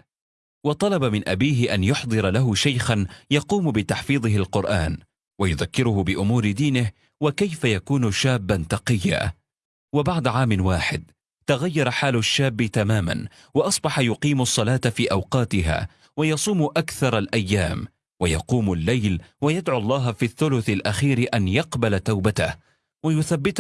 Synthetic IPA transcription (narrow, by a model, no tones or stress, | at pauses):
wɑt̪ˤɑlɑbamɪnʔabiːɦɪʔanjʊħd̪ˤɨɾˤɑlaɦʊʃajxanjɑquːmbɪt̪aħfiːðˤɨɦalqʊɾʔaːn | wajʊðakːɪɾʊhʊbɪʔʊmuːɾɪd̪iːnɪh | wakajfajakuːnʃaːbːant̪ɑqɪjːa̰ː | wabaʕd̪ʕaːmɪnwaːħɪd̪ | t̪aɣajːɑɾˤħaːlʊʃːaːbːɪt̪amaːma̰n | wɑʔɑsˤbɑħɑjʊqiːmɑsˤːɑlɑːt̪afiːʔɑwqɑːt̪ɪɦa̰ː | wajɑsˤuːmʔakθɑɾˤalʔajːaːm | wajɑ̰quːmʊlːajlwajad̪ʕʊɑlˤːɑːɦfiθːʊlʊθalʔaxiːɾɪʔanjɑqbalat̪awbat̪a̰h | wajʊθabːɪt̪